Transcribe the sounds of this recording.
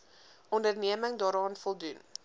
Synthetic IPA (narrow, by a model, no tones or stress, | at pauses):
ɔndərniəməŋdɑːɾɑːnfɔlˠdun